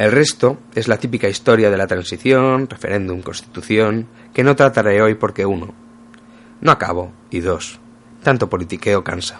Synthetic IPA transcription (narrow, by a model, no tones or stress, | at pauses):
e̞lre̞st̪o̞ | e̞zlat̪ipikaist̪o̞ɾjað̞e̞lat̪ɾansiθjo̞nre̞fe̞̰ɾe̞nd̪umko̞nst̪i̥t̪uθjo̞ŋ | ke̞no̞t̪ɾat̪aɾeo̞jpo̞ɾke̞uno̰ | noaka̰β̞o̞ | iðo̞s | t̪ant̪o̞po̞lit̪ike̞o̞kansḁ